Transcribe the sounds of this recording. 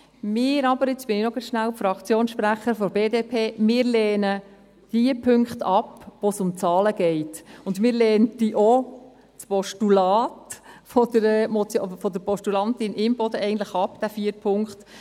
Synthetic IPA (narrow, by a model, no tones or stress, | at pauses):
mɪːɾɑbəɾɪt͡sb̥ɪnɪnɔɡɑʃnæwfɾɑkt͡sjoːnsʃpɾæχəɾfɔbeːdeːpʰeːmɪːɾlɛːnə | d̥iəpʰʏŋkχt̪ɑpʋosʊmt͡sɑːləɡɛɪtʊndmɪːɾlɛːntiʔo | t͡spɔʃtulɑːtfɔd̪əɾɛmɔt͡sjfɔd̪əɾpɔʃtulɑntɪnʔɪmb̥ɔd̪əɛɪɡən̩t̪ləχɑpd̥æfiəɾpʰʊŋkχt